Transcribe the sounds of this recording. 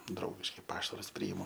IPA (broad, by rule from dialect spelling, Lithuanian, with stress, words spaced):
ˈdrɐʊɡʲɪʃkɐɪ ˈpɑːʃɐrʊs ˈpʲrʲiːɪmʊ